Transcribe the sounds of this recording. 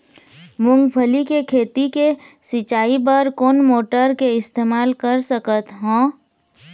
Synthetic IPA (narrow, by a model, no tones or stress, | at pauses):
mʊ̃ŋɡpʰəlikekʰeːt̪ikesɪt͡ʃaːibəɾkoːnmoːʈəɾkeɪst̪eːmaːlkəɾsəkət̪ɦõː